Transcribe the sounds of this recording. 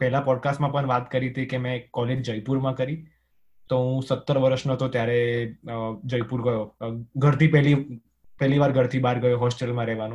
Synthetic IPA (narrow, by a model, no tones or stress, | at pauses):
pɛɦlãpɔɖkasʈmãpəɳʋat̪kəɾit̪ʰikemɛ̃kɔled͡ʒd͡ʒəjpuɾmãkəɾi | t̪oɦũsət̪ːəɾʋəɾəʃnət̪ot̪jaɾe | d͡ʒəjpuɾɡəjoɡʱəɾt̪ʰipɛli | pɛɦliʋaɾɡʱəɾt̪ʰibaɾɡəjoɦɔsʈelmãɾɛɦʋanũ